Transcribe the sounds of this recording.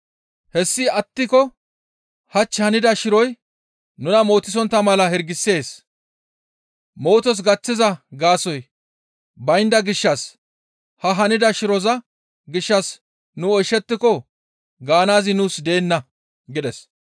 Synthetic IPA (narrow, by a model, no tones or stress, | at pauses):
hɛsːɪɐt̪ːɪkɔ | hɐt͡ʃːhɐnɪd̪ɐʃɪɾɔj | nʊnɐmo̞ːt̪ːɪs̬ɔnt̪ːɐmɐlɐhɛɾɡɪsːe̞ːs | mo̞ːt̪ɔs̬ɡɐt͡sːɪzɐɡaːsɔj | bɐjnd̪ɐɡɪʃːɐs | hɐɦɐnɪd̪ɐʃɪɾɔzɐ | ɡɪʃːɐs | nʊɔjʃːɛt̪ːɪkɔ | ɡaːnaːzɪnuːsd̪e̞ːnːɐ | ɡɪd̪ɛs